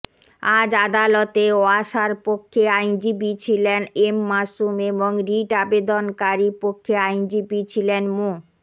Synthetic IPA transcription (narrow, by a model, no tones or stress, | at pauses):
ad͡ʑad̪alot̪eoaʃaɾpokʰːeajnd͡ʑibit͡ɕʰilenemːaʃumeboŋɾiʈabed̪onkaɾipokʰːeajnd͡ʑibit͡ɕʰilenmo